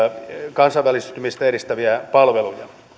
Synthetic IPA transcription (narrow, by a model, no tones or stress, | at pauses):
kɑnsɑʋʋælist̪ymist̪æeɾist̪æʋiæpɑlʋelujɑ